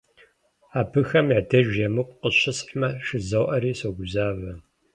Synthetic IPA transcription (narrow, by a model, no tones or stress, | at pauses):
aːbʰɨxɐmjaːdʰɐʒɐmɨqʷqəɕɪsʼħmɐʂɨzɐwʔɐɾiːsoɡʷʊzaːvɐ